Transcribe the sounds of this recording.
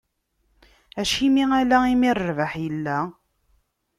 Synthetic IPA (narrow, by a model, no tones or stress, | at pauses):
æʃimiælæimirːvəħjəlːæ